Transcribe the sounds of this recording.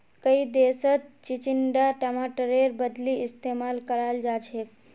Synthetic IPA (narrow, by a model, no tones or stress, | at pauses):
kəid̪esət̪̚t͡ʃit͡ʃiɳɖaʈəmaʈəɾeɾbəd̪liist̪emalkəɾald͡ʒat͡ʃʰe